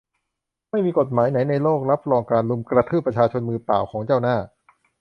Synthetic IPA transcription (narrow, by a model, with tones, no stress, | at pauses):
ma˥˩jmiː˧ko˨˩t̪̚maː˩˦jna˩˦jna˧jloː˥˩k̚ɾa˦˥p̚ɾɔː˧ŋkaː˧nlu˧mkɾa˧t̪ʰɯː˥˩pɾa˧t͡ɕʰaː˧t͡ɕʰo˧nmɯː˧pa̰ː˨˩wkʰɔː˩˦ŋt͡ɕaː˥˩wnaː˥˩